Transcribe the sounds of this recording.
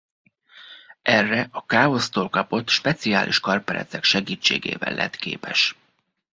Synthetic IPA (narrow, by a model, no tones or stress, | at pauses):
ɛrːɛʔɒkaːo̞st̪oːlkɒpo̞t̪ʃpɛt̪sia̰ːlʔḭʃkɒrpɛɾɛ̰t̪sɛkʃɛɡiːt͡ʃːeːɡḛːvɛ̰lʔɛ̰t̪kḛːpɛʃ